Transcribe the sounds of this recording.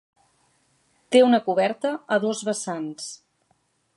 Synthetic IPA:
t̪eunəkuβɛɾt̪əəðozβəsans

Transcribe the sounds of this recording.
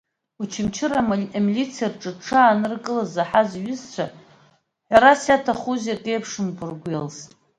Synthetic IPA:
ut͡ʃʰɪmt͡ʃʰɪraamilit͡sʰijarʈ͡ʂʼɨʈ͡ʂʰaːnɨrkʼɨlazaħazɥʊzt͡ɕʷʰa | ħʷaɾasjatʰaχuzakʼejpʰʂɨmkʰʷʊrɡʷelsʼ

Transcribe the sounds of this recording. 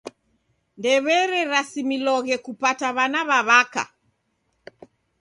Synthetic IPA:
ndɛβɛɾɛɾasimilɔɣɛkupataβanaβaβaka̰

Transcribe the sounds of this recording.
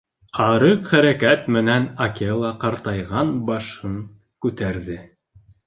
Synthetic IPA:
ɑɾɤqχæɾækæt̪mɘ̆nænakʲelˠɑqɑɾt̪ɑjʁɑnbɑʃhɤɴ | kʉt̪æɾðɘ

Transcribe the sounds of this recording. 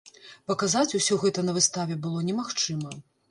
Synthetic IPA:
pɐkazat͡sʲusʲɔɣɛt̪ɐnɐvɨst̪avʲɛbɨlˠɔnʲɛmaxt͡ʂɨmɐ

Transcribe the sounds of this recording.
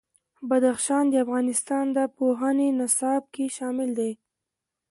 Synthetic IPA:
bad̪axʃɑnd̪əafɣɑnɪst̪ɑnd̪əpoɦənenasɑb̚keʃɑmɪld̪aj

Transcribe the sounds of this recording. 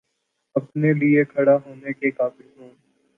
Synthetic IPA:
ɐpneliekʰɐɽaɦoːnekekaːbɪlɦõː

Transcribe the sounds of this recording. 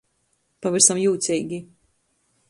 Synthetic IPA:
paviɾsamjuːt̪sʲijɡʲi

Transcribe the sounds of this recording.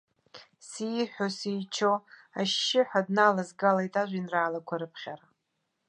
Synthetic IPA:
siħʷᶣosijt͡ʃʰo̞a̰ʃːɪħʷᶣadnalazɡalajtʼaʒʷinraːlakʷʰaɾɨpʰχʲaɾa

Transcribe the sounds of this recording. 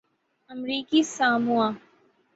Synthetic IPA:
əmɾiːkisaːmũã

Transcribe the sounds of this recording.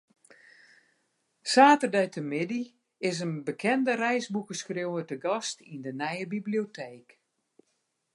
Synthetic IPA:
saːtərdœɥtəmɪdi | ɪs̬ənbəkʰɛndərɛjsbukəskrjowətəɡɔstindənɛjəbibliotʰeːk

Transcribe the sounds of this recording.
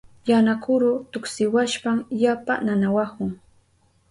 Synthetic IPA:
janakʊɾʊt̪ʊksɪwaʃpamjapa̰nanawakʊŋ

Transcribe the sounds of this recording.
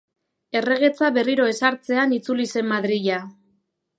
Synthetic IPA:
e̞re̞ɣ̞e̞t͡saβe̞riɾo̞e̞saɾt͡se̞anit͡sulise̞mːaðɾiʎa

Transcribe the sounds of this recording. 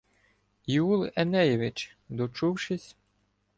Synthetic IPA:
iulˠɛnɛjɛʋɪt͡ʃ | d̪ɔt͡ʃuwʃɪsʲ

